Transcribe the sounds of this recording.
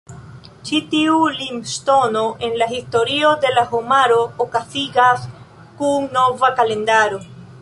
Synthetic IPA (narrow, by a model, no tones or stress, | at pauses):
t͡ʃitiulimʃto̞no̞ʔe̞nlaɦisto̞ɾio̞de̞laɦomaɾo̞ːkasiɡas | kuno̞vakale̞ndaɾo̞